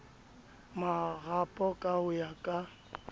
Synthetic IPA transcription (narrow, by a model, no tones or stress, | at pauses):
maɣapʼɔkʼaʊjakʼa